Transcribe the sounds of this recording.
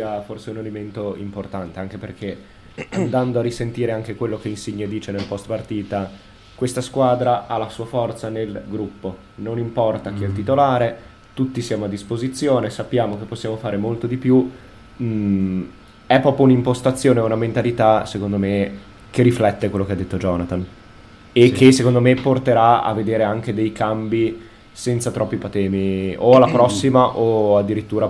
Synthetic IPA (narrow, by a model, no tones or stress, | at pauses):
aforseunelement̪oḭmport̪ant̪eaŋk̟eperkʰe | and̪and̪oarːisent̪iːɾeaŋk̟ekwelːok̟einsiɲːed̪iːt͡ʃenelpɔst̪part̪iːt̪a | kwest̪askwaːd̪ɾaʔalasuːafɔrt̪sanelɡɾupːo | nonimpɔrt̪ak̟iɛlt̪̬it̪olaːɾe | t̪ut̪ːisjaːmoad̪ːispozit̪sːjoːnesapːjaːmokepːosːjaːmofaːɾemolt̪od̪ipju | ɛpːɾɔːpɾjounimpost̪at̪sːjoːneounament̪alit̪asekond̪ome | keriflɛt̪ːekwelːokead̪ːet̪ːod͡ʒɔːnat̪an | ekʰːesːekond̪omeport̪eɾaa̰vːed̪eːɾeaŋk̟ed̪ejkambi | sɛnt̪sat̪ɾɔpːipat̪ɛːmioalːapɾɔsːimaʔoad̪ːiɾit̪ːuːɾa